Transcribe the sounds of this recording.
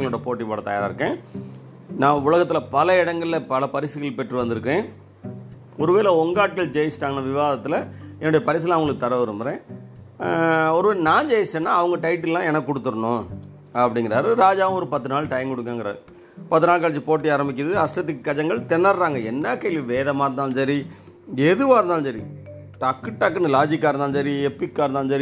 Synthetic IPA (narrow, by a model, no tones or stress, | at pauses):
ŋɡɐɭɯɽɐpoːʈːipaːɽɐt̪ɐjaːɾɪɾɯkːẽː | nãːʊlɐɣɐt̪ːɪlɐpɐlɐɪɽɐŋɡɐɭɪlɐpɐlɐpɐɾɪsɯɣɐɭpɛʈːrɯʋɐnd̪ɯɾɯkːẽː | ɔɾɯʋeːɾlɐɔŋɡaːʈ̚kɐɭd͡ʒɛjsʈaːŋɡɐnɐʋɪʋaːðɐt̪ːɯlɐɛnːʊɽɐjɐpɐɾɪs̬ɪlɐʋɐɡɐɭɯkːɯt̪ɐɾɐʋɐɾɯmbɯɾẽː | ɔɾɯʋeːɾnãːd͡ʒejɐsʈenːaːɐʋɐŋɡɐʈɐɪʈ̬ːɪllːãːɛnɐkːɯːɔɽɯt̪ːɯɾɐɳʊ̃ | ɐpːɐɽɪŋɡɪɾa̰ːɾɯɾaːd͡ʒaːʋɐmɔɾɯpɐt̪ːɯnaːɭʈɐjmkɔɽɯkːeːŋɡɐɾɐ̰ðɯ | pɐt̪ːɯnaːlkaːɭɐt͡ʃːipoːʈ̬ːiaːɾɐmbɪk̬ʲːɐðɯɐsʈɾɐt̪ːɯkːɯkːɐd͡ʒɐŋɡɐɭt̪ɛnːɐɾɾaːŋɡɐɛnːɐkɐɪʋiʋeːðɐmaːɾɯnd̪aːlsɐɾi | ɛðɯʋaːɾɯnd̪aːlsɐɾḭ | ʈɐkːɯʈːakːɯnɯlaːd͡ʒɪkːaːɾɯnd̪aːnsɐɾiɛpːɪkːaːɾɯnd̪aːnsɐɾi